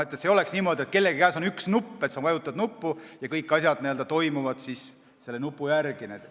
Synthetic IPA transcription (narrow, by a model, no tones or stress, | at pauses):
t̪ːˑet̪seːo̞le̞ksniːmo̞d̪iet̪̚ke̞lːe̞ɡikæːso̞nyksnupːet̪sɑnvɑjut̪ːˑɑd̪nupːujɑkɤjkːˑɑsjɑd̪nield̪ɑt̪o̞jmuvɑd̪̥sis | se̞lːe̞nupːˑujærɡ̥inet̪